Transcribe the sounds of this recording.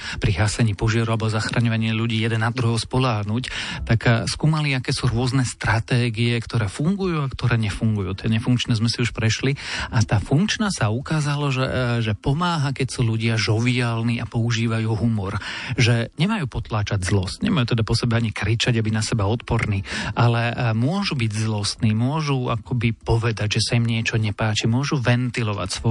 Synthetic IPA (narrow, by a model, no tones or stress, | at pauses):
pɾiɦasɛɲiːpɔʒɪaɾualɛbɔzaxɾaɲɔʋaɲiːluɟiːjɛd̪ɛnad̪ɾuɦɔʊspɔlaːɦnuct̪akskuːmaliakɛːsuɾʊɔznɛst̪ɾat̪ɛːɡiɛkt̪ɔɾɛːfuŋɡujuːakt̪ɔɾɛːɲɛfuŋɡujuːt̪ɛɲɛfuŋkt͡ʃnɛːzmɛsiuʃpɾɛʃliʔat̪aːfuŋkt͡ʃnaːsaukaːzalɔʒɛʒɛpɔmaːɦakɛcsuːʎuɟɪaʒɔʋiaːlniʔapɔuʒiːʋajuːɦumɔɾʒɛɲɛmajuːpɔt̪laːt͡ʃaɟzlɔstɲɛmajuːt̪ɛd̪apɔsɛbɛaɲikɾit͡ʃaɟabinasɛbaɔt̪pɔɾniːʔalɛmʊɔʒubiɟzlɔst̪niːmʊɔʒuakɔbipɔʋɛd̪aɟʒɛsaimɲɪɛt͡ʃɔɲɛpaːt͡ʃimʊɔʒuʋɛnt̪ilɔʋa̰csʋɔ